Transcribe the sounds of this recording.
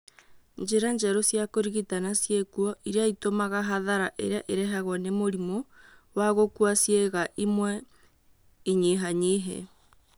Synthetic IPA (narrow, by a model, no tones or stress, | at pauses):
ɲd͡ʒeɾaɲd͡ʒɛɾosjakoɾiɣitanasjekuɔʔiɾeaitomaɣaɦaðaɾaʔeɾeaʔeɾɛɦaɣwanemoɾimowaɣokuasjeɣaʔimwɛ | iɲeɦaɲeɦɛ̰